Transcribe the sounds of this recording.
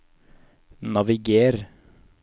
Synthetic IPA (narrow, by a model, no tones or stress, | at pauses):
nɑʋɪɡeːɾ